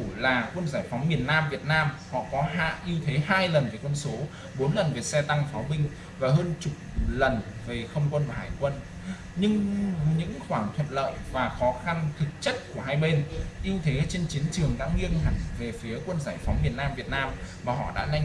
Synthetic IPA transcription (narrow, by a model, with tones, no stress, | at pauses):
u˧˩laː˨˩kwə˧nzaː˧˩jfɔ˨˦wŋ͡mmi˨˩ənnaː˧mvi˨˩ət̚naː˧mhɔ̰˧˨kɔ˨˦ɦa̰ː˧˨ʔi˧əwt̪ʰe˨˦ɦaː˧jlə˨˩nve˨˩kwə˧nso˨˦ | ɓo˨˦nlə˨˩nve˨˩sɛ˧t̪a˧ŋfaː˨˦ɓï˧ŋ̟ | vaː˨˩ɦəː˧nt͡ɕʊ˨˩k͡p̚lə˨˩n | ve˨˩xə˧wŋ͡mkwə˧nvaː˨˩ɦaː˧˩jkwə˧n | ɲɨ˧ŋɲɨ̰˧˥ŋxwaː˧˩ŋt̪ʰwə̰˧˨nlə̰ː˧˨jvaː˨˩xɔ˨˦xa˧nt̪ʰɨ˨˩k̚t͡ɕə˦˥t̚ku˧˩əɦaː˧jɓe˧nʔi˧əwt̪ʰe˨˦t͡ɕe˧nt͡ɕi˨˦ənt͡ɕɨ˨˩əŋɗa̰ː˧˥ŋi˧əŋɦa˧˩ŋve˨˩fi˨˦əkwə˧nzaː˧˩jfa˨˦wŋ͡mmi˨˩ənːaː˧mvi˨˩ət̚naː˧mmaː˨˩ɦɔ̰˧˨ɗa̰ː˧˥na˧jŋ